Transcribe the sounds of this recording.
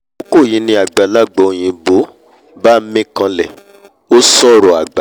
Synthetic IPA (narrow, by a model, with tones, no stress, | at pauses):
o˦ko˦˨jĩ˨˦nĩ˧a˨ɡ͡ba˨la˦˨ɡ͡bɔ˨o˨j̃ĩ˧bo˨˦ | ba˦mĩ˦kã˧lɛ˨ | o˦sɔ˦˨ɾɔ˨a˨ɡ͡ba˨